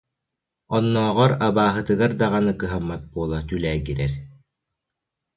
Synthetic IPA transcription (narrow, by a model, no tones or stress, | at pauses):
ɔnːɔːʁɔɾabaːɦɯt̪ɯɡaɾd̪aʁanɯkɯɦamːat̪̚buɔlˠat̪ylæːɡiɾɛɾ